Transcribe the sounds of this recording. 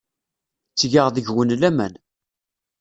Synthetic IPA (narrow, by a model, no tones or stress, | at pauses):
t͡sːʝəʁðəʝwənlæmæn